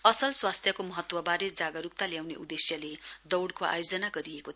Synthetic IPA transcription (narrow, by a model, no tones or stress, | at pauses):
ʌsʌlswast̪ʰjʌkomʌɦʌt̪wʌbaɾed͡zaɡʌɾuk̚t̪aljawnḛʔud̪esjʌled̪ʌwɽkoa̰jod͡zʌnaɡʌɾieko